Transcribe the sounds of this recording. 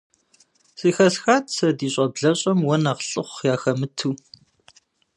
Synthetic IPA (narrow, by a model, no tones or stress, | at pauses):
sʼiːxɐsxaːtʰsɐdiːɕʷʼɐbɮɐɕʼɐmwɐnaʁɬʼɨχʷjaːxɐmɨtʰuː